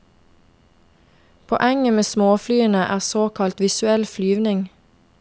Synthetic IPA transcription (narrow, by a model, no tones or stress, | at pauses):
pʰɔ̰ʔɛŋəmeːsmoːflyːənəʔæːʁsoːkʰɑlt̪ʋɪsʉɛlflyːʋnɪŋ